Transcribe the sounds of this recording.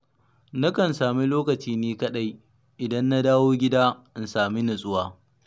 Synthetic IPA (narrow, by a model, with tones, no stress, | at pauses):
na˦kɐ˨nsaː˨mi˦loː˦kɐ˨t͡ʃiː˦neː˦kɐ˦ɗa˦j | ʔɪ˨dɐ˦nːa˦daː˦woː˦ɡʲɪ˦daː˦ʔɪ˨n˨saː˨mi˦nʊ˨sʼʊ˦waː˨